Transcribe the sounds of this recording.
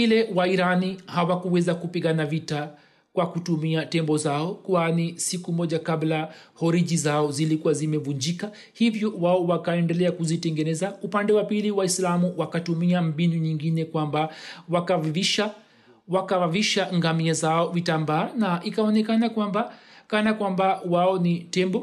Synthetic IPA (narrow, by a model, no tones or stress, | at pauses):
ilɛwaiɾanihawakuwɛzakupiɠanavita | kwakutumiatɛmbɔzaɔkwanisikumɔʄakablahɔɾiʄizaɔzilikuwazimɛvuɲd͡ʒika | hivjɔwaɔwakaɛndɛlɛakuzitɛŋɡɛnɛzaupandɛwapiliwaislamuwakatumiam̩binuɲiŋɡinɛkwambawakavviʃa | wakavaviʃaŋɡamiazaɔvitambaːnaʔikaɔnɛkanakwambakanakwambawaɔnitɛmbɔ